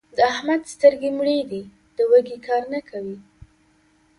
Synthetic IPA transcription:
d̪əahmad̪st̪əɾɡemɽed̪i | d̪̥əwəɡekɑɾnakʰawi

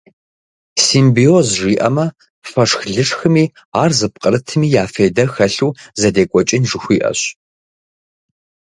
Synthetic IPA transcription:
siːmbiozʐiːʔɐ̰mɐ | fɐʂxɮɨʂxɨmiː | aːrzɨp̚qʼəɾɨtʰɨmiːjaːfeːjdɐxɐɬuːzɐdeːkʷʼɔt͡ʃʼɪnʐɨxʷiːʔɐ̰ɕ

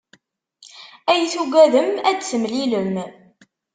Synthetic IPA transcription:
æjəθuɡʷæðəmæd̪səmliləm

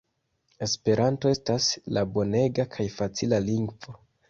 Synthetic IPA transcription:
e̞spe̞ɾʔanto̞e̞staslabo̞ne̞ɡakʰajfat͡silaliŋɡvo

